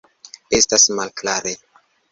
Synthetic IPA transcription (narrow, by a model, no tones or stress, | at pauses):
estasmalklaɾe